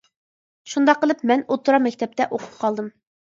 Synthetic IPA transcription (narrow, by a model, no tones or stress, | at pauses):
ʃund̪ɑqːəlˠɨpmɛnot̪ːuɾɑmɛkʲt̪ʰɛp̚t̪ɛʔoqʰʊ̥pqʰɑlˠd̪ɨm